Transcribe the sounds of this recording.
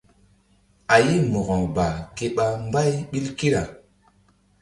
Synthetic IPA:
a˨ji˦mo˨ɣɔ˨ŋba˨ke˦ɓa˦m˦ba˦jɓi˦lki˦ɾa˨

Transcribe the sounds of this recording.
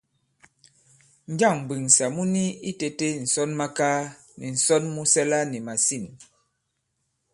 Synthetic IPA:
n̩˦d͡ʒa˦˨ŋ˨bi˨ŋsa˨mu˦ni˦i˦te˨te˦n̩˨sɔ˦nma˦kaː˦ | ni˨n̩˨sɔ˦nmu˦sɛ˦la˦ni˨ma˨si˦˨n

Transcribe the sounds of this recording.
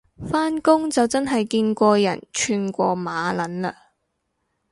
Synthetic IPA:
faː˥nkʊ˥ŋt͡sɐ˨wt͡sɐ˥nɦɐ˨jkiː˧nkʷɔː˧jɐ̰˨˩nt͡ʃʰyː˧nkʷɔː˧maː˨˧lɐ˨˥nlaː˧

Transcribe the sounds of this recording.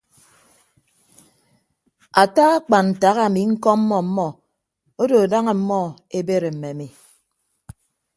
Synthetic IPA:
a˨ta˦ɣa˦k͡pa˨nn̩˨ta˨˦ɣa˦˨mi˨ŋ̩˦kɔ˦m̩˦mɔ˦m̩˦mɔ˦ | o˦do˨da˦ŋe˨m̩˦mɔ˦ | e˦be˦ɾe˨m̩˨me˨mi˨

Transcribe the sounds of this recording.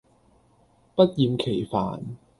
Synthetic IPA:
pɐ˥t̚jiː˧mkʰe˨˩jfa̰ː˨˩n

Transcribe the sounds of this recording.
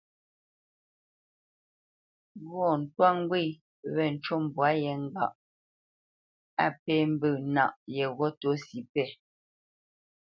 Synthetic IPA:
ɣɔ˦˨n̩˨twa˦˨ŋ˦ɡwi˦˨ | βɛ˦˨n̩˨t͡ʃo˦˨m˨bwa˨˦jɛ˨˦ŋ̩˦ɡa̰˦˨ʔ | a˦pɛ˦m̩˦bə˦˨na̰˨ʔjɛ˨ɣɔ˦to˨˦si˨˦pɛ˦˨

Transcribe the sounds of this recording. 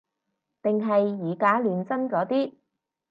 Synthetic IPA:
t̪ɪ˨ŋɦɐ˨jːiː˨˩kaː˨˥lyː˨˧nt͡sɐ˥nkɔː˨˥t̪iː˥

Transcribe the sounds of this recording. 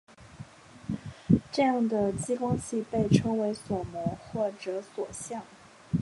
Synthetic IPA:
ʈ͡ʂɤ˥˧jɑ˥˩ŋd̪ə˩t͡ɕi˥kwɑ˥ŋɕʰi˥˧pe˥˩ɪʈ͡ʂʰɤ˥ŋwe˧˥ɪswɔ˨˩mɔ˧˥ŋxwɔ˥˩ʈ͡ʂɤ˧˥swɔ˨˩ɕjɑ˥˩ŋ

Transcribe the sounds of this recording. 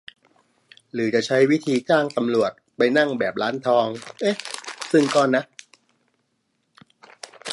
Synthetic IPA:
ɾɯː˩˦t͡ɕa˨˩t͡ɕʰa˦˥jwi˦˥t̪ʰiː˧t͡ɕaː˥˩ŋt̪a˧mɾu˨˩ət̪̚pa˧jna˥˩ŋbɛː˨˩p̚ɾaː˦˥nt̪ʰɔː˧ŋʔe˦˥˩sɯ˥˩ŋkɔː˥˩na˦˥ʔ

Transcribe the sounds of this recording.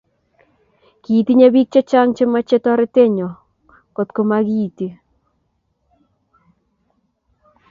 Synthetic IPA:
kiː˨ti˦ɲe˦bi˦k̚t͡ʃɔ˦t͡ʃa˦ŋt͡ʃe˦ma˦t͡ʃe˦tɔɾɪ˦te˦ɲɔ˨ | ko˨tko˨maɣiːti˨

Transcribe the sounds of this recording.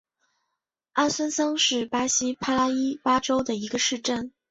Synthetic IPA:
a˥nswə˥nsɑ˥ŋʂɻ̩˥˩pa˥ɕi˥pʰa˥la˥i˥pa˥ʈ͡ʂo˥ʊd̪ə˨i˧˥ɡə˧ʂɻ̩˥˧ʈ͡ʂə˥˩n

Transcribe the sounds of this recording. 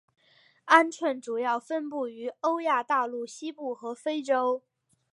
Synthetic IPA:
a˥nʈ͡ʂʰwə˥˩nʈ͡ʂu˨˩jɑ˥˩ʊfə˥npu˥˩y˧˥o˥ʊja˥˧t̪a˥˧lu˥˩ɕi˥pu˥˩xɤ˧˥fe˥ɪʈ͡ʂo˥ʊ

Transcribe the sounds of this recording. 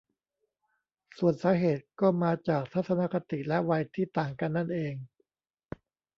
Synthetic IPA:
su˨˩ənsaː˨˦ɦeː˨˩t̪̚kɔː˥˩maː˧t͡ɕaː˨˩k̚t̪ʰa˦˥t̪̚sa˧na˦˥˩ka˧t̪i˨˩lɛ˦˥wa˧jt̪ʰiː˥˩t̪aː˨˩ŋka˧nːa˥˩nʔeː˧ŋ

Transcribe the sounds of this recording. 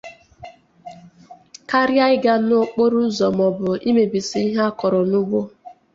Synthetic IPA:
ka˦ɾja˦ɪ˦ɡa˦nʊ˦k͡po˦ɾʊ˦zɔ˨mɔ˨bʊ˨i˦me˨bi˨si˦i˦ɦa˦kɔ˨ɾɔ˨nʊ˦ɡ͡bʷo˦

